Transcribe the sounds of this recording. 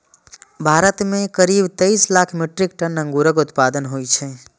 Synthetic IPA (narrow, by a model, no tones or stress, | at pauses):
bʱaɾət̪mẽkəɾibt̪eislakʰmiʈɾik̚ʈənə̃ŋɡuɾəkʊt̪pad̪ənɦojt͡ʃʰɛ